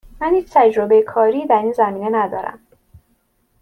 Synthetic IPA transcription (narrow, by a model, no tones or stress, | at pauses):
mænjeːt͡ʃt̪ʰæd͡ʒɾobejekʰɒːɾiːd̪æɾiːnzæmiːne̞næd̪ɒːɾæ̰m